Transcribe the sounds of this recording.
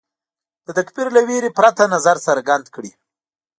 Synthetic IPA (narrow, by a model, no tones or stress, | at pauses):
d̪̥ət̪akbiɾlaweɾepɾat̪anazaɾsəɾɡand̪kɽi